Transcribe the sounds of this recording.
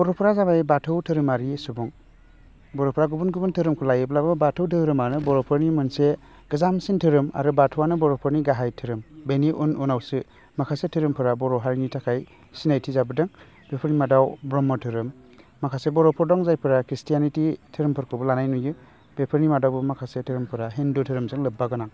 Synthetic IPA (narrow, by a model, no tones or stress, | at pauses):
bɔɾɔpʰɯɾazabajbatʰɯwtʰɯɾɯmaɾisubɔŋ | bɔɾɔpʰɾaɡubunɡubuntʰɯɾɯmkʰɯlajɯblabɯbatʰɯwtʰɯɾɯmanɯbɔɾɔpʰɯɾnimunse | ɡ̥ɯzamsintʰɯɾɯma̰ɾubatʰɔwanɯbɔɾɔpʰɯɾniɡaɦajtʰɯɾɯmbeniʔununawsɯ | makʰasetʰɯɾɯmpʰɯɾabɔɾɔɦaɾinitʰakʰaj | sinajtʰizabɯdɯŋ | b̥epʰɯɾnimadawbɾɔmɔtʰɯɾɯmː | akʰasebɔɾɔpʰɔɾdɔŋzajpʰɯɾakɾistijanititʰɯɾɯmpʰɯɾkʰɯbɯlanajnujɯ | bepʰɯɾnimadawbɯmakʰasetʰɯɾɯmpʰɯɾaɦendutʰɯɾɯmzɯŋlɯbːaɡɯnaŋ